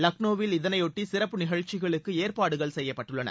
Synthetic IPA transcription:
lɐk̚noːʋɪlɪðɐnɐɪjɔʈːisɪɾɐpːɯnɪɣɐɻt͡ʃːɪɣɐɭɯkːɯeːrpaːɽɯɣɐɭsɛjːɐpːɐʈːɯɭːɐnɐ̰

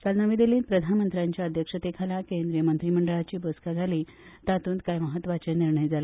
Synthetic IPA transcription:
kalnəʋiːd̪eliːnpɾəd̪ʱanmənt̪ɾjaɲt͡ɕjaəd̪ʱjəkʂət̪ekʰalakend̪ɾijəmənt̪ɾiːm̤əɳɖəɭat͡ɕiːboskad͡zʱaliːt̪at̪uːnt̪kajməɦət̪ːʋat͡ɕeniɾɳəjd͡zʱala

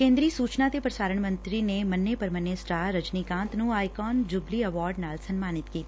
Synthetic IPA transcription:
kẽːnd̪ɾiːəsuːt͡ʃnat̪epɾɐsaːɾəɳ̃mɐ̃nt̪ɾinemɐnːepɐɾmɐnːesʈaːɾɐd͡ʒnikãːnt̪nũaːjkɔːnd͡ʒʊbliɐʋɔːɾɖnaːlsɐnmaːnɪt̪kiːt̪ː

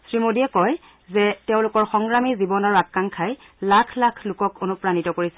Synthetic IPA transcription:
sɹimodiɛkɔj | zɛteʊ̃lʊkɔɹxɔŋɡɹamizibɔnaɹakːaŋkʰaj | lakʰlakʰlʊkɔkʰonupɹanitɔkoɹisɛ

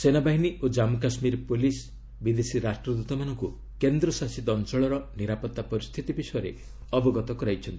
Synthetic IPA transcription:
senabaɦiniʔod͡ʒamuk̬asmiɾpulis | bid̪esiɾasʈɾɔd̪ut̪ɔmanɔŋku | kend̪ɾɔsasid̪ɔnt͡ʃɔɭɔɾɔniɾapɔt̪ːapɔɾist̪ʰit̪ibisɔjɔɾe | ɔbɔɡɔt̪ɔkɔɾajt͡ʃʰɔnt̪i

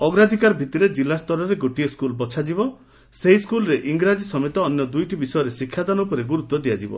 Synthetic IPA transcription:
ɔɡɾad̪ʱikaɾɔbʱit̪iɾed͡ʒilast̪ɔɾɔɾeɡoʈijeskulbɔt͡ʃʰad͡ʒibɔ | seɦiskulɔɾeʔiŋɡɾad͡ʒisɔmet̪ɔːnjɔd̪ujʈibisɔjɔɾesikʰːjad̪anɔpɔɾeɡuɾut̪ːɔd̪ijad͡ʒibɔ̰

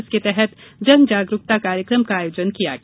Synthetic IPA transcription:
sket̪ɛɦɛt̪d͡ʒɐnd͡ʒaːɡɾukt̪akaːɾjəkɾəmkaaːjoːd͡ʒənkija̰ɡ

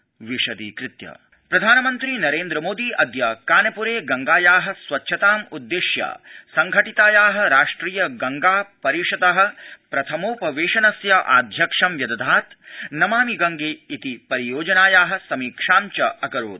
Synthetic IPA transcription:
ʋiʂɐd̪ḭːkɾɪt̪jɐ̰ | pɾɐd̪ʱaːnɐmɐnt̪ɾinɐɾeːnd̪ɾɐmoːd̪iʔɐd̪jɐkaːnɐpuɾeːɡɐŋɡaːjaːɦɐ̆sʋɐtːʃʰɐt̪aːmud̪ːeʃjɐ̰sɐŋɡʱɐʈit̪aːjaːɦɐ̆ɾaːʂʈɾiːjɐɡɐŋɡaːpɐɾiʂɐd̪ɐɦɐ̆pɾɐt̪ʰɐmoːpɐʋeːʃɐnɐsjɐʔa̰ːd̪ʱjɐkʂɐmʋjɐd̪ɐd̪ʱaːt̪nɐmaːmiɡɐŋɡeːit̪ipɐɾijoːd͡ʒɐnaːjaːɦɐ̆sɐmiːkʂaːmt͡ʃɐɐkɐɾo̰ːd̪̚

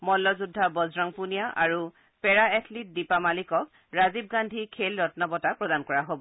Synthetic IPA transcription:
mɔlːɔzudʱːabɔzɹɔŋpunijaʔaɹu | pɛɹaɛtʰlit̚dipamalikɔk̚ | ɹazib̚ɡandʱikʰelɹɔtnɔbɔtapɹɔdankɔɹaɦobɔ

